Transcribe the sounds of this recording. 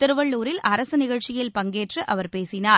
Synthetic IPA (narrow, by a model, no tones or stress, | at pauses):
t̪ɪɾɯʋɐɭːuːɾɪlʔɐɾɐsɯnɪɣɐɻt͡ʃɪjɪlpɐŋɡeːʈrɯʔɐʋɐɾpeːsɪnaːɾ